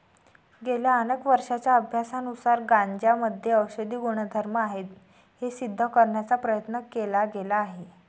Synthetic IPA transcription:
ɡeljaənekʋəɾʂat͡ɕjaəbʱjasanusaɾɡaɲd͡ʑjaməd̪ʱjeəwɕəd̪iːɡuɽ̃əd̪ʱəɾməaɦet̪ | hesid̪ʱːəkəɾɳjat͡sapɾəjət̪nəkelaɡelaːɦe

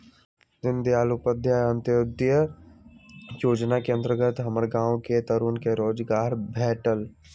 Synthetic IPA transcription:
d̪ɪnd̪iaːlupəd̪ʱjaə̃nt̪ɪʊd̪jə | joːd͡ʒnakeə̃nd̪ɾəɡət̪ɦɐməɾɡãːwket̪əɾuːnkeɾoːd͡ʒɡaːɾbʱɛːʈəl

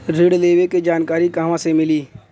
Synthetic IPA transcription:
ɾɪɽleːʋeked͡ʒaːnkaːɾikaːɦʋãsemɪliː

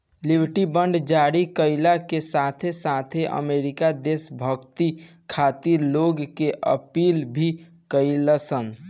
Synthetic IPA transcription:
libʱʈibəɳɖd͡ʒaɾikəɪlakesat̪ʰesat̪ʰeʔə̰meɾikad̪esbʱəɡt̪i | kʰat̪iɾloɡkeʔə̰piːlbʱi | kəiləsən

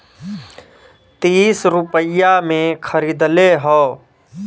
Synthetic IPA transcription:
t̪iːsɾʊpəjamẽkʰəɾiːd̪leɦɔː

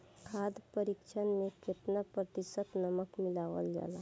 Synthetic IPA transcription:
kʰaːd̪pəɾikʃʰənmẽket̪napɾət̪ɪsət̪nəməkmɪlaːʋəld͡ʒa̰ːla

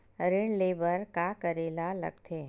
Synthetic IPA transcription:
ɾɪɳleːbəɾkakəɾeːlalə̰ɡ̚t̪ʰeː

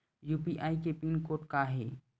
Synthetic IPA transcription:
jupiʔaːikepinkoʈkaɦe

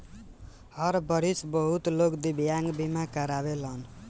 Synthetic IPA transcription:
hʌɾbʌɾisbʌɦut̪lokd̪ibʱjaŋɡbimakəɾaβelʌn

